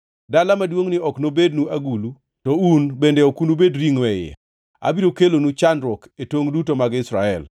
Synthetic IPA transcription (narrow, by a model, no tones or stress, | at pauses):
dalamadwoŋnɪɔknobed̚nuaɡulu | tɔunbendeokunubedɾiŋwɛjɛ̰ | a̰biɾokelonut͡ʃandɾɔketoŋdutomaɡɪsɾaɛl